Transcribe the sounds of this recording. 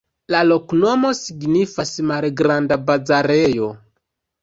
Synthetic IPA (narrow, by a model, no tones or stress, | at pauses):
lalo̞kno̞mo̞siɡnifasmalɡɾandabad͡zaɾejo̞